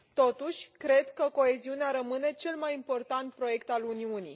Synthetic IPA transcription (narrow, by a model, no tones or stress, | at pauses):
t̪o̞t̪uʃʲkɾe̞d̪kəko̞e̞ziuneaɾəmɨne̞t͡ʃe̞lmajimpo̞rt̪ant̪̚pɾo̞je̞kt̪aluniunḭ